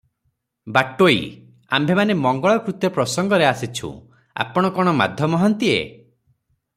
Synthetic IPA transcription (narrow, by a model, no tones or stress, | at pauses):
baʈoi | a̰mbʱemanemɔŋɡɔɭɔkɾut̪jɔpɾɔsɔŋɡɔɾeasit͡ʃʰṵ̃ | a̰pɔɽ̃ɔkɔɽ̃ɔma̰d̪ʱjɔmɔɦɔnt̪iḛ